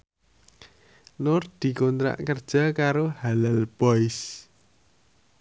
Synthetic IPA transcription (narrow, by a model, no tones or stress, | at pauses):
nʊrd̪̥i̤kɔnt̪ɾa̰ʔkərd̥ʒ̥a̤kaɾohalalb̥ɔɪs